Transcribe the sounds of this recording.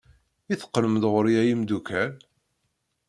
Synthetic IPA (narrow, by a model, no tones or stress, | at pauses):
iθə̥qːəlməðʁəɾjæjimd̪ukæl